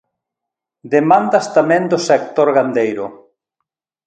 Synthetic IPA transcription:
d̪emãnd̪ast̪amɛ̃nd̪ʊsekt̪oɾɣand̪ejɾʊ

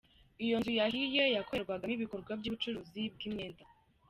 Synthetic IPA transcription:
ijo̞nzujahijojakoeɾɡwaɡaniβikoɾɡwabjuβut͡ʃuɾuːzib̚ɡimɲeːnda

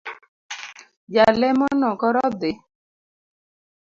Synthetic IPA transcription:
d͡ʒalɛmɔnɔkɔɾɔd̪ɪ

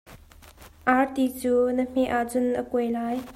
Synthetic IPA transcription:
ʔaɹt̪it͡suːnəm̥eʔaʔt͡sʊnʔəkujlaːj

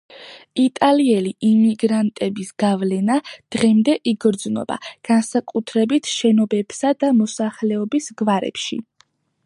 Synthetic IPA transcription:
it̪ʼaliɛliʔimiɡɾant̪ʼɛbisɡ̥avlɛnad̪̥ʁɛmd̪ɛʔiɡɾd̪znɔ̰b̥a̰ɡ̥ansakʼut̪ʰɾɛbit̪ʰʃɛnɔbɛbsad̪amɔsaχlɛɔbisɡvaɾɛ̰pʃḭ

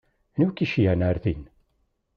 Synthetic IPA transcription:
nukiʃjænaɾθin

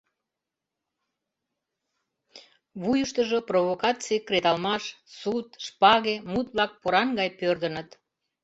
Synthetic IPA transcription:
βujəʃt̪əʒoproβokɑt͡sikɾet̪ɑlmɑʃsut̪ʃpɑɣemut̪̚βlɑk̚poɾɑnɡɑjpørd̪ənət̪

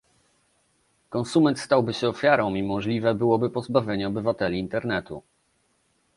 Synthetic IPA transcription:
kɔnsumɛnt̪st̪awbɘɕɛɔfʲjaɾɔ̃w̃imɔʐlʲivɛbɘwɔbɘpɔzbavʲjeɲɛɔbɘvat̪ɛlʲiːnt̪ɛɾnɛt̪u

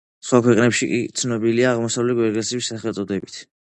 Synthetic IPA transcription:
sχwakʰwɛqʼnɛpʃikʼit̪sʰnɔbiliaːʁmɔsavlɛɡwɛɾɡɛlsibisːaχɛlt̪sʼɔd̪ɛbit̪ʰ

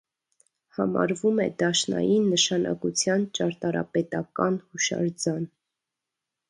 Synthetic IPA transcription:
hɑmɑ̰ɾvumɛd̪ɑʃnɑ̰jinːəʃɑnʔɑ̰kut͡sʰjɑnt͡ʃɑɾt̪ɑɾɑ̰pɛt̪ɑkɑnhuʃɑ̰ɾd͡zɑn

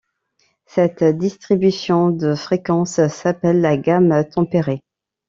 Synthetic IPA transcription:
sɛt̪d̪ist̪χibysjɔ̃d̪əfχekɑ̃ssapɛlːaɡamt̪ɑ̃peʁe

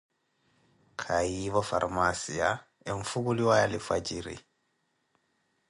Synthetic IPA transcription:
kʰaiβɔfa̰rmasia | ɛɱfukuliwajalifad͡ʒiɾḭ

